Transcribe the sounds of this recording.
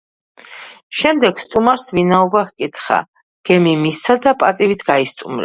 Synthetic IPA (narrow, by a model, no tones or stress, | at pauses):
ʃɛmd̪ɛɡ̥st̪ʼumaɾsvinaɔbahkʼit̪ʰχa̰ | ɡ̥ɛmimistad̪apʼat̪ʼivit̪ʰɡaist̪ʼumɾɛ̰